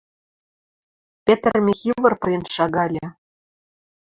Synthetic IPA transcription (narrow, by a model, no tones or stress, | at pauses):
pʲet̪rmʲixʲivɤ̆rpɤ̆jɤ̆nʃɑɣɑlʲĕ